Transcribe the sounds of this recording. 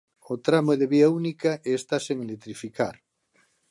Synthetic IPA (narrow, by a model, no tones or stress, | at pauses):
ot̪ɾamoeðeβiaunikaʔeːst̪aseŋelet̪ɾifikaɾ